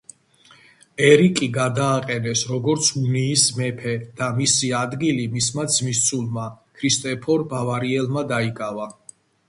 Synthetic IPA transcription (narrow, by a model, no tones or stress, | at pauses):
ɛɾikʼiɡad̪aːqʼɛnɛsɾɔɡɔɾt̪sʰuniːsmɛpʰɛd̪̥amisiad̪ɡilimismad̪zmist̪sʰulˠmakʰɾist̪ʼɛpʰɔɾbavaɾiɛlˠmad̪aikʼava